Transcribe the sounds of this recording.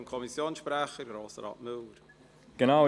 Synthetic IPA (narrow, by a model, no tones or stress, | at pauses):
mkʰɔmisjoːnsʃpɾɛχəɾɡɾoːsəɾɑ̰ːtmʉːɾ | ɡ̥ənaʊ